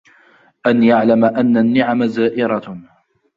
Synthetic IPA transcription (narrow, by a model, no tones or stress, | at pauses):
ʔanjaʕlamaʔanːanːɪʕamazaːʔɪɾˤɑ